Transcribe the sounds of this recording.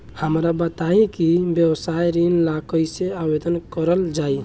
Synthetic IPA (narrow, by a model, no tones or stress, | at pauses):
həmɾabət̪aĩkibjəwsajɾinlakʰəjseabed̪ənkəɾəld͡ʒai